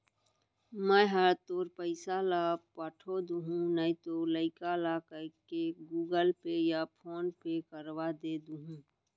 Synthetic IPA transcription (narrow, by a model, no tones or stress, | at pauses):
mə̃ɦəɾt̪oːɾpəɪsalapəʈʰod̪uɦũnəĩt̪oləɪkalakəkeɡuːɡəlpejapʰoːnpekəɾwad̪eːd̪uɦũː